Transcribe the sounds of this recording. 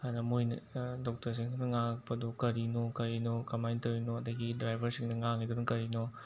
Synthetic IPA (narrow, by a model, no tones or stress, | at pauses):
hajnɐmujnɐdɔk̚tɐɾs̬iŋsinɐŋak̚pɐdɔkɐɾinɔkɐɾinɔkɐmajntɐwɾinoɐdɐɡidɾajbʱɐɾsiŋdɐŋaŋnidunuŋkɐɾinɔ